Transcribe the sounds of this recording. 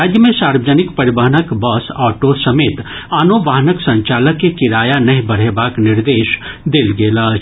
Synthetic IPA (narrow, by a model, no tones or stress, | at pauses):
aːd̪jəmẽsaːɾbəd͡ʒənɪkpɐɾɪbəɦənəkbɐsɔːʈosɐmeːt̪ | aːnoʋaːɦnəksɐ̃ɲt͡ʃaːləkːekɪɾaːjanɐɦĩbɐɽ̤ebaːknɪɾd̪eːʃ | d̪eːlɡeːla